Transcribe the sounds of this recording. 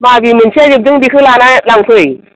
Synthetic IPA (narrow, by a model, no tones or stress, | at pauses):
maːvimïŋt͡ɕɛzip̚zɨŋɗixɨlaːnʔaːjlaŋ͡mt̪ʰij